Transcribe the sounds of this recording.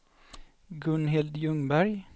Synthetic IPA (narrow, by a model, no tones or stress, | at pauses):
ɡɵnɦɪld̪jɵŋbæɾj